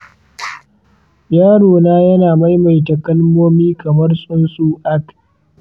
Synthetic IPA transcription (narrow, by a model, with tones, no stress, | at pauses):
jaː˦ɽoː˨naː˦jɐ˦naː˨ma˦jma˨jtɐ˨kɐ˦lmoː˦miː˦kɐ˨mɐ˦rsʼʊ˦nsʼuː˦ʔa˦k